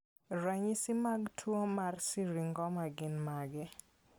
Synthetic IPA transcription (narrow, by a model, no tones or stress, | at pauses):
ɾaɲisɪmaɡtʰwomarsiɾiŋɡɔmaɡɪnmaɡɛ